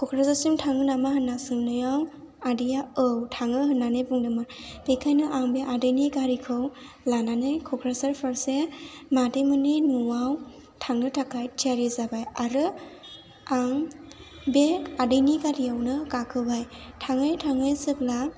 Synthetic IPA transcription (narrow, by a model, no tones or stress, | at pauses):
kʰɔkʰɾasasimtʰaŋɯnamahɯnːasɯŋnɯjaw | adijaɯwtʰaŋɯɦɯnːanɯjbuŋdɯmɯɾb̥ekʰajnɯʔaŋbeʔadɯjnikaɾikʰɯw | lananɯjkʰɔkʰɾasaɾpʰaɾsemadɯmɯninuwaw | tʰaŋɯtʰakʰajtʰiaɾizabajaɾɯ | aŋ | beadɯjnikaɾijawnɯkakʰɯbajtʰaŋɯjtʰaŋɯjsɯp̚la